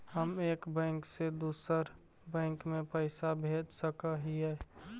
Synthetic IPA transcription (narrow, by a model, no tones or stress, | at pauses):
həmeːkbɛ̃ŋksed̪uːsəɾ | bɛ̃ːŋkmẽpəɪsabʱeːd͡ʒsəkəɦiɛ